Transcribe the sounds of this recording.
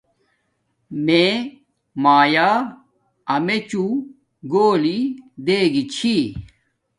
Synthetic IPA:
mẽ | maːjaː | ɐmet͡ɕu | ɡoːlid̪eːɡit͡ɕʰi

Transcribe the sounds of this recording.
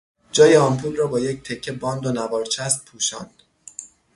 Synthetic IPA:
d͡ʒɒːjeɒːmpʰuːlrɒːbɒːject̪ʰe̞cʰːebɒːnd̪onævɒːɾt͡ʃʰæst̪̚pʰuːʃɒ̰ːnd̪̥

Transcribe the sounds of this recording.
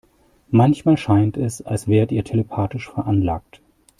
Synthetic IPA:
mançmaːlʃaɪntɛsalsv̥eːʁətiːɐtʰeləpʰaːtɪʃfɛɐʔanlaːk̚t

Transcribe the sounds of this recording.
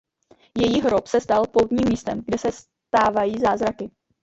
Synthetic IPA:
jɛjiːɦɾopsɛst̪alpowt̪ɲiːmːiːst̪ɛmɡdɛsɛs | t̪aːvajiːzaːzɾakɪ

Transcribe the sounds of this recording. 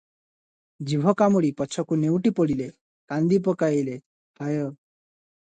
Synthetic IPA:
d͡ʒibʱɔkamuɽipɔt͡ʃʰɔkunewʈipɔɽile | kand̪ipɔkaile | pʰajɔ

